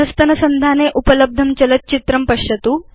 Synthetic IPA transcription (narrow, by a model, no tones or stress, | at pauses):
ɐst̪ɐnɐsɐnd̪ʱaneʔupələb̚d̪ʱɐmt͡ɕɐlɐt̪̚t͡ɕit̪ɾɐmpɐɕjɐt̪uː